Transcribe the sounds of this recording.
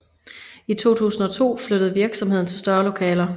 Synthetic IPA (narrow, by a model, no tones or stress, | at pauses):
it͡sʰo̝̰ːt͡sʰṵːsn̩ɒ̽t͡sʰo̝̰ːfløɾ̥əð̞̩ˠʋiɐɡ̥sɒ̽mɦe̝ð̞̰ˠn̩t͡sʰelsd̥ɶɐlo̝kʰɛ̰ːlɐ